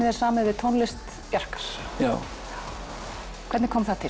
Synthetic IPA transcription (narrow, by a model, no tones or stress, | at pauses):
ɪðɛ̥saːmɪvɪt̪ʰownlɪst̪ | pjar̥kḁɾ̥jaː | kʰvɛt̪nɪ̥kʰɔːmθat̪ʰɪ